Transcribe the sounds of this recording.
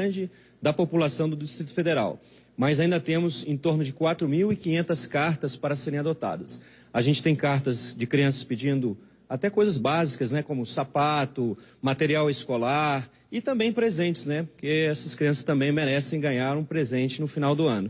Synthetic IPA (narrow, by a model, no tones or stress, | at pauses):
ɐ̃d͡ʒɪ | d̪ɐpopulasɐ̃w̃d̪ʊd̪ist̪ɾit̪ʊ̥fed̪eɾa̰w | mɐjzaĩnd̪ɐt̪ẽmʊzẽt̪oɾnʊd͡ʒɪkwat̪ɾʊmiwikĩɲẽnt̪ɐskaɾt̪ɐspaɾɐseɾẽj̃ad̪ot̪a̰d̪ɐs | aʒẽnt͡ʃɪ̥t̪ẽj̃kaɾt̪ɐzd͡ʒɪkɾiɐ̃sɐ̥spid͡ʒĩnd̪ʊ | at̪ɛkojzɐzbazikɐznɛkõmʊsapat̪ʊmat̪eɾiawɪskolaɾ | ɪt̪ɐ̃mbẽj̃pɾezẽnt͡ʃɪ̥znɛpoɾkeɛsɐskɾiɐ̃sɐ̥st̪ɐ̃mbẽj̃meɾɛsẽj̃ɡɐ̃ɲaɾũpɾezẽnt͡ʃɪnʊfinawd̪ʊɐ̃nʊ